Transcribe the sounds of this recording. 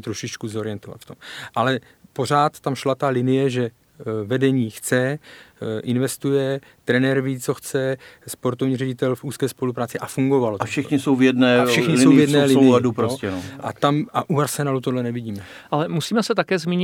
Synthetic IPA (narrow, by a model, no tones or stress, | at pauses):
t̪ɾo̞ʃɪt͡ʃkuzo̞ɾɪjɛnt̪ova̰t̪ft̪o̞mʔalɛ | po̞r̝aːt̪ːamʃlat̪alɪnɪjɛʒɛ | vɛdɛɲiːxt͡sɛ | ʔɪnvɛst̪ujɛ | t̪ɾɛnɛɾviːt͡so̞xt͡sɛspo̞ɾt̪ovɲiːrɛɟɪt̪ɛlfuːskɛːspo̞lupɾaːt͡sɪʔafuŋɡo̞valot̪fʃɛxɲɪsowvjɛdnɛːfʃʃɛxɲɪlowvjɛdnɛːlɪladupɾoscɛnoat̪amaʔuaɾsɛnaːlut̪odlɛnɛvɪɟiːmɛ | ʔalɛmusiːmɛsɛt̪akɛːzmʲiːɲɪ